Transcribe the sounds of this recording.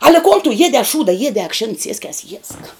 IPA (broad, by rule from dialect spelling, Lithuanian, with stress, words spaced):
ɐlʲɛ koːn tʊ ˈjiɛdʲɛː ɐ ˈʃuːdɐ ˈjiɛdʲɛː ɐkˈʃʲeːn ˈsʲiɛsʲkʲɛs jiɛsk